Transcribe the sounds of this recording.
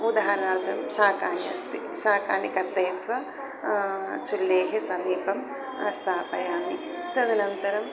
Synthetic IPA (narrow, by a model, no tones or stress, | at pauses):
ud̪aɦɐɾɐnaːɾt̪ʰɐmʃaːkaːnjɐ̰st̪ḭ | ʃaːkaːnjikɐɾt̪ɐːt̪ʋɐ | t͡ʃʰulːeːɦesɐmiːpɐm | st̪ʰaːpɐjaːmi | t̪ɐd̪inɐnt̪ɐɾɐm